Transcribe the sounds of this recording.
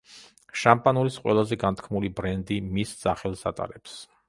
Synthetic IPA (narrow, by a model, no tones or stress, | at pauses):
ʃampʼanulisqʼwɛ̰lˠazɛɡant̪ʰkʰmulibɾɛnd̪imisz̥aχɛlˠsa̰t̪ʼa̰ɾɛps